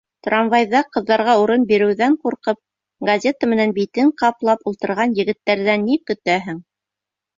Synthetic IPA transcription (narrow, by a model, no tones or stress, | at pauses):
t̪rɑmvɑjðɑqɤ̆ðːɑɾʁɑuɾɤnbiɾɘ̆wðæɴquɾqɤp̚ | ɡɐzʲe̞t̪əmɘ̆nænbit̪ɘɴqɑplˠɑpulˠt̪ɤ̆ɾʁɑnjɘ̆ɡɘ̆t̪ːæɾðænːikɵ̆t̪æɦɘŋ